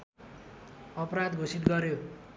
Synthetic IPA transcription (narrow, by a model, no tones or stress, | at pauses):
ʌpɾad̪ɡʱosit̪ɡʌɾjo